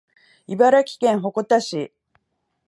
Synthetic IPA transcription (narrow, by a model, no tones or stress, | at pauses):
ibaɾakʲi̥kẽ̞ɰ̃ɦo̞ko̞t̪aɕi